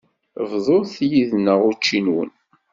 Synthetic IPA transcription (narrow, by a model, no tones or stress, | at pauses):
vðˤoɾθjiðnəʁʊt͡ʃːinwə̰n